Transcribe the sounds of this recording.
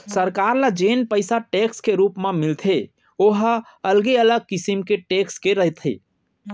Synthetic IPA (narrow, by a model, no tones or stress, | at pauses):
səɾkaɾlad͡ʒenpəɪsaʈekskeɾupmemilt̪ʰe | oɦ | əlɡeələɡ̚kisimkeʈekskeɾəɦt̪ʰḭ